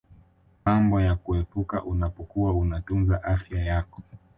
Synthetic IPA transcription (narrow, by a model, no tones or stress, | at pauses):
mambɔjakuɛpuka̰ʔunapɔkuwaunatunzaʔafjajakɔ̥